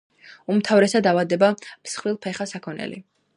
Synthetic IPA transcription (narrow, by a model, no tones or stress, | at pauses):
umt̪ʰavɾɛsad̪avad̪ɛbapsχɾilˠpʰɛχasakʰɔnɛ̰lḭ